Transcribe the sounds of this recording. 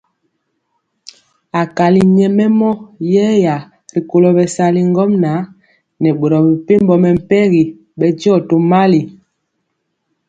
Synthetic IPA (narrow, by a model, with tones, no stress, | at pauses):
a˨ka˨li˨ɲɛ˨mɛ˦mɔ˦jɛː˦ja˨ | ɾi˨ko˨lɔ˨bɛ˨sa˨li˦ŋ˦ɡɔ˦mna˨˦ | nɛ˨ɓo˨ɾɔ˨bi˨pe˦mbɔ˨mɛ˨m̩˨pɛ˦ɣi˨ | ɓɛ˨d͡ʒi˦ɔ˦˨to˨ma˦li˨